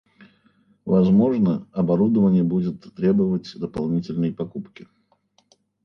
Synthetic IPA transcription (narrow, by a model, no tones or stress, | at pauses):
vɐzmo̞ʐnəɐbɐɾud̪əvənʲɪjəbudʲɪt̪ːɾʲebəvətʲd̪əpɐlˠnʲitʲɪlʲnəjpɐkupkʲɪ